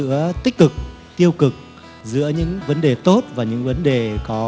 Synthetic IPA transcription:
ɨ̰˧˥ət̪ï˦˥k̟̚kɨ˨˩k̚ | t̪i˧əwkɨ˨˩k̚ | zɨ̰˧˥əɲɨ̰˧˥ŋvə˨˦nɗe˨˩t̪o˦˥t̚vaː˨˩ɲɨ̰˧˥ŋvə˨˦nɗe˨˩kɔ˨˦

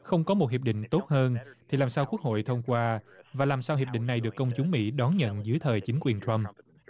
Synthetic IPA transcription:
xə˧wŋ͡mkɔ˨˦mo˨˩t̚hi˨˩p̚ɗḭ̈˧˨ŋ̟t̪o˦˥t̚həː˧nt̪ʰi˨˩laː˨˩msaː˧wku˦˥ək̚ho̰˧˨jt̪ʰə˧wŋ͡mkwaː˧vaː˨˩laː˨˩msaː˧wɦi˨˩əp̚ɗḭ̈˧˨ŋ̟na˨˩jɗɨ˨˩əkːə˧wŋ͡mt͡ɕʊ˨˦ŋ͡mmḭ˧˥ɗɔ˨˦nɲə̰˧˨nzɨ˨˦əjt̪ʰəː˨˩jt͡ɕï˨˦ŋ̟kwi˨˩ənt͡ɕə˧m

